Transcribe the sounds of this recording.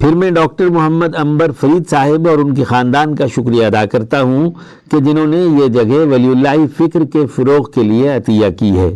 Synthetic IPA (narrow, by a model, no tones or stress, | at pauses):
pɪɾmɛ̃ɖɔːk̚ʈəɾmʊɦəmːəd̪ɐ̃mbəɾfɐɾiːd̪saːɦɪbɔːɾʊnkexaːnd̪aːnkaʃʊkɾijaɐd̪aːkɐɾt̪aɦũ | ked͡ʒɪnɦõːnejed͡ʒɐɡɛɦʋɐliʊlːaːɦifɪkɾkefʊɾoːɣkelieɐt̪ijakiɦɛ̰ː